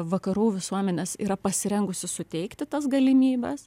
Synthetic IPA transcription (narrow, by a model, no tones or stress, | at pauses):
ʋɐkɐɾuːʋʲɪsuɔmʲɛnʲɛsiːɾɐpɐsʲɪɾʲɛŋɡʊsʲɪsʊt̪ʲɛɪkt̪ʲɪt̪ɐs̬ɡɐlʲɪmʲiːbʲɛs